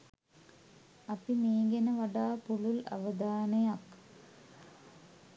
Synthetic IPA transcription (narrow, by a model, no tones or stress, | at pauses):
ɐpimeːŋɡɐnɐʋɐɽaːpuɭulɐ̰ʋɐd̪aːnɐjak